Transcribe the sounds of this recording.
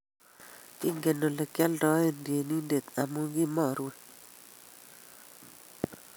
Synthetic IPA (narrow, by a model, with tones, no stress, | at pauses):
kɪ˦ŋɡe˨no˨lɛ˨kɛ˦ldɔ˦e˦˨ndje˨ni˦nde˨t̪a˨mu˦ŋɡɪ˦mɔ˦˨ɾwe˦